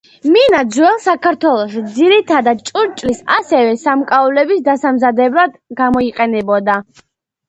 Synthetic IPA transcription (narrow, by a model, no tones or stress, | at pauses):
minad̪zwɛlˠsakʰaɾt̪ʰwɛlˠɔʃd̪ziɾit̪ʰad̪ad̪̚t͡ʃʼuɾt͡ʃʼlisasɛvɛsamkʼaɔlɛbisd̪asamzad̪ɛblˠad̪ɡamɔiqʼɛnɛbɔd̪a